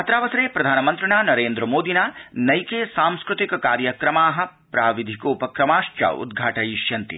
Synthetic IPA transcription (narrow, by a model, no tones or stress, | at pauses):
ɐt̪ɾaːʋɐsɐɾeːpɾɐd̪ʱaːnɐmɐnt̪ɾɐɳaːnɐɾeːnd̪ɾɐmoːd̪inaːnɐjkeːsaːmskɾut̪ikɐkaːɾjɐkɾɐmaːɦɐ̆ | pɾaːʋid̪ʱikoːpɐkɾɐmaːʃt͡ʃɐ̰ṵd̪ɡʱaːʈɐjiʃjɐnt̪ḭ